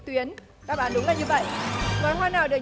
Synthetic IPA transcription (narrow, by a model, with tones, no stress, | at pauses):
t̪wi˨˦ən | ɗa̰ː˧˩ɓaː˧˩nɗʊ˨˦ŋ͡mlaː˨˩jɲɨ˧və̰˧˨jʔvɔ˨˦jɦwaː˧naː˨˩wɗɨ˨˩ə